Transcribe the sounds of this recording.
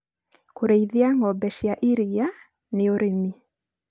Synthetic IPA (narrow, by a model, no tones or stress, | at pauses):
koɾeiðiaŋɔbɛʃjaʔiɾija | neoɾemi